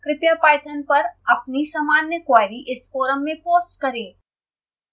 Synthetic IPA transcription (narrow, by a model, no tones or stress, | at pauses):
kɾɪpjapaːɪt̪ʰənpɐɾɐp̚nisɐmaːnjəkwaːɪɾiʔɪsfoːɾəmːẽpoːsʈkɐɾẽː